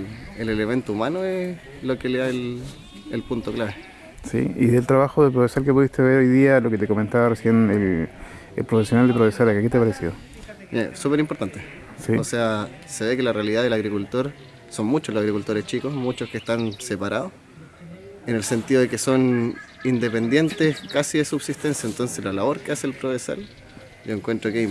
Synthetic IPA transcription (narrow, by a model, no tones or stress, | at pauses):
eleleme̞nt̪oumanoe | lokeleðael | elpunt̪oklaβe | sḭḭðelt̪ɾaβaxoðepɾofesalkepuðist̪eβeɾojðialoket̪ekoment̪aβaresjenel | ḛlpɾofesjonald̪epɾofesalakaket̪epaɾesiðo | ḛsupeɾimpoɾt̪ant̪e | siosea | seβekelarealiðaðelaɣɾikult̪o̞ɾ | so̞nmut͡ʃolosaɣɾikult̪o̞ɾeht͡ʃikosmut͡ʃoskest̪ansepaɾaðos | enelse̞nt̪iðoekeso̞nind̪epe̞nd̪je̞nt̪eskasiðesubsist̪e̞nsjaent̪o̞nsezlalaβo̞ɾkeaseːlpɾoβesa̰l | ɟ͡ʝoeŋkwe̞nt̪ɾoke